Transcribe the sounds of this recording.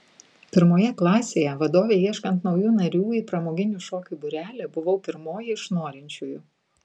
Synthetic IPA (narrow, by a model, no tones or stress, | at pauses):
pʲɪɾmoːjɛklˠɑːsʲeːjɛʋɐd̪oːʋʲeːiɛʃkɐnt̪nɒʊjuːnɐɾʲuːipɾɐmoːɡʲɪnʲuːʃoːkʲʊbʊɾʲæːlʲeːbʊʋɐʊpʲɪɾmoːjɛɪʃnoːɾʲɛnʲt͡ʃʲuːjʊ